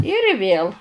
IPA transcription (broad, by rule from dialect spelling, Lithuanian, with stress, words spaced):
ɪr ˈʋʲeːlˠ